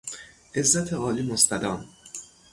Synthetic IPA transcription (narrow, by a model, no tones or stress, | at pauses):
ʔezːæt̪ʰeʔɒːliːmost̪æd̪ɒːm